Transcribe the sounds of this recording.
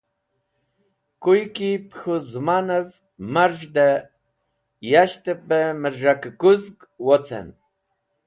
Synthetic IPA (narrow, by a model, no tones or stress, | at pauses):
kujkipxuzmanəv | maɾʒd̪ə | jaɕt̪əpəməɾʒakəkuzk | wot͡sʰɛ̰n